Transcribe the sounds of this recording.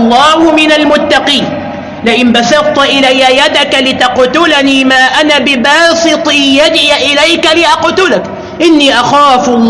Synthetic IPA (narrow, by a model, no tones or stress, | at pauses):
lˤːɑːhʊmɪnalmʊt̪ːɑqiːn | lɪʔɪnbasɑɾt̪ʔɪlajːajad̪akalɪt̪aqt̪ʊlaniːmaːʔanabɪbɑːsɨt̪ˤiːjad̪ʕɪjaʔɪlajkalɪʔɑqt̪ʊlak | ʔɪnːiːʔaxaːflˤː